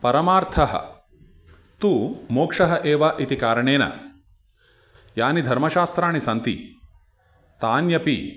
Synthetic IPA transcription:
pɐɾɐmaːɾt̪ʰɐɦɐ̰ | t̪uːmoːkʂɐɦɐʔeːʋɐʔit̪ikaːɾɐɳeːnɐ̰ | jaːnid̪ʱɐɾmɐʃaːst̪ɾaːɳisɐnt̪ḭ | t̪aːnjɐpḭ

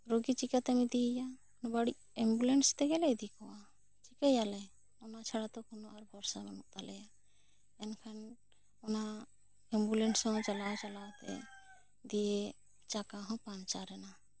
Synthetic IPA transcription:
ɾoɡit͡ʃikat̪ɛmid̪ija | nbaɽi | ɛmbulɛnst̪ɛɡɛlɛjd̪ikɔwa | t͡ʃikajalɛ | ɔnat͡ʃʰaɽat̪ɔkɔnoaɾbɔɾsabɔnuk̚t̪alɛja | ɛnkʰan | ɔna | ɛmbulɛnsɔ̃t͡ʃalawt͡ʃalawt̪ɛ̰ | d̪ije | t͡ʃakaɦɔ̃pãnt͡ʃaɾɛna

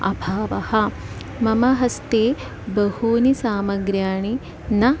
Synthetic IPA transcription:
ɐ̰bʱaːʋɐhɐ | mɐmɐɦɐst̪eː | bɐhuːnisaːmɐɡɾjaːɳi | nɐ

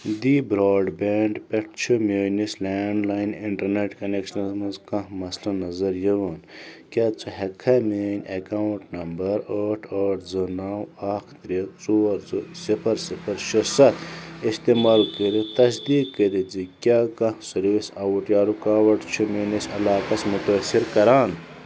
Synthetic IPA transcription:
d̪iːbɾaːɖbeɳɖpeʈ̚ʰt͡ʃʰumʲoːnislaːɳɖlaːjniɳʈɐɾneʈkɐnekʃnzmɐnzkɐ̃mɐslɐnɐzɐɾjiʋɐnkʲaːt͡sʰɨɦekʰameːnʲekaːwuɳʈnɐmbɐɾəːʈʰəːʈd͡zɨnaːwaːkʰt̪ɾit̪t͡suɐɾt͡susipɐɾsipʰɐɾʃɐsɐt̪ʰist̪emaːlkəd̪it̪ɐs̬d̪iːkːed̪id͡zikʲaːkɐ̃sɐɾʋisɐwuʈjaːɾukaːwɐʈt͡ʃʰumoːnisɐlaːkɐsmut̪ɐsiɾkɐɾaːn

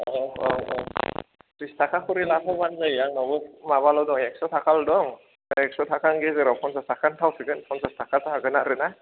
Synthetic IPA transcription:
ɔɔɔ̰ | kɾistʰakʰakʰɔɾilapʰɔbanzajaŋɔbɯmaβalɔwdɔŋɛk̚sɔtʰakʰaldɔŋ | ɛk̚sɔtʰakʰaŋɡezɯɾɔpʰɔnsastakʰantʰawsɯɡɯnpʰɔnsastakʰasaaɡɯnaɾɯna

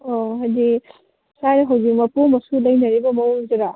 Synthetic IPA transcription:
oɦajdi | saɾiɦawzik̚mɐpomɐsulɐjnɐɾibɐmɐwzɐɾa

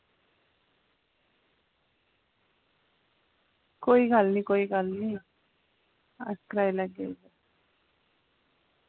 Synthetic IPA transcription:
koːiɡəlnĩːkoːiːɡəlniː | askɾaːiləɡeda

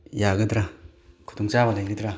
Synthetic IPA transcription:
jaɡɯdɾakʰu̥tɔŋt͡ʃaβalajɡɯdɾa

